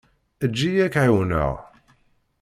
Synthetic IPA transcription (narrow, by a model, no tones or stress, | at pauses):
əd͡ʒːijækʕiwənə̰ʁ